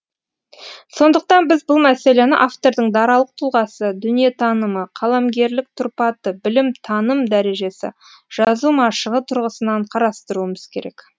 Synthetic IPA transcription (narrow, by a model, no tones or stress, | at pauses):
so̞nd̪əq̚t̪ɑnbɪzbʊlˠmæse̞le̞nɪ̰ʔaft̪o̞ɾd̪əɴd̪ɑɾɑlˠəq̚t̪ʰʊlˠʁɑsəd̪ʏnije̞t̪ʰɑnəməqʰɑlˠɑmɡʲe̞ɾlɪk̚t̪ʰʊɾpɑt̪əbɪlɪmt̪ʰɑnəmd̪æɾe̞ʒe̞sɪ̰ | ʒ̥ɑzumɑʃəʁət̪ʰʊɾʁəsənɑɴqʰɑɾɑst̪əɾuəməz̥kʲʰe̞ɾe̞̰k